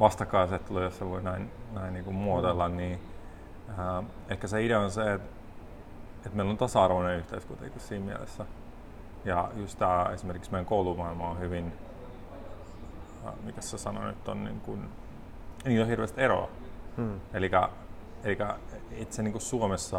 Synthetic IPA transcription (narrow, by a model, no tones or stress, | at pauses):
ʋɑst̪ɑkːɑiset̪ːulojosseʋoinæinnæinniːŋkummuot̪elːɑnniː | ə | eikːæseideonseet̪ | et̪meilont̪ɑsɑɑrʋonenyht̪eyskut̪ḛkːissiːmmiæ̰lḛsːæ | jɑjust̪t̪æḛsimerkiksmeŋkoulumɑilmɑːhyʋin | mikæssesɑno̰ny̰t̪ːonnḭːŋkun | niːt̪ohirʋeːst̪eɾo̰ɑ̰ | elikæ | elikæet̪seniːŋkussuomesːɑ